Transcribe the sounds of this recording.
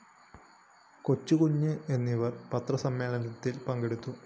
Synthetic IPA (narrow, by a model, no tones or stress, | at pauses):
kot͡ɕːukuɲːɨe̞nːiʋɐrpɐt̪rɐsɐmːe̞ːlɐnɐt̪ːilpɐŋɡeɽut̪ːu